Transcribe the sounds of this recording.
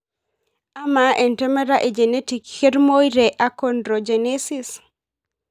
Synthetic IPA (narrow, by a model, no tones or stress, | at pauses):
amaʔɛntɛmeɾaʔed͡ʒenetikxeɾmojɾeʔakondɾod͡ʒenesis